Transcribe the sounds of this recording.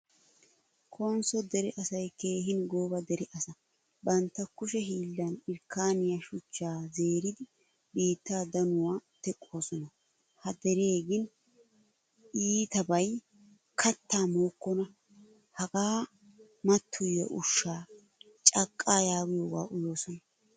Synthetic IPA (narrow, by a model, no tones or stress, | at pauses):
kʰɔwɐnsɔd̪ɛɾɛʔɐsɐjkeːhɪnɡoːbɐd̪ɛɾɪʔɐsɐ | bɐnt̪ːɐkːʊʃɛɦiːlːɐnɪɾkːaːnɪjɐʃʊt͡ʃːaːze̞ːɾɪd̪ɪ | biːt̪ːaːd̪ɐnʊwaːt̪ɛkʼːo̞ːsɔnɐ | hɐd̪ɛɾeːɡɪn | ʔiːt̪ɐbɐj | kʰɐt̪ːaːmoːkːɔnɐ | hɐɡaː | mɐt̪ʰːʊjːɔʔʊʃːaː | t͡ʃʼɐkʼːaːjaːwɪjowa̰ːʔʊjo̞ːsɔnɐ